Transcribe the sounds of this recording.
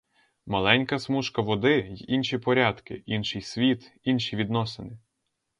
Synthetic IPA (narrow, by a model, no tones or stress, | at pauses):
mɐlˠɛnʲkɐsmuʃkɐʋɔd̪ɪjɛʔinʃipɔɾʲɑd̪kɪʔinʃɪjsʲʋʲit̪inʃiʋʲid̪nɔsenɪ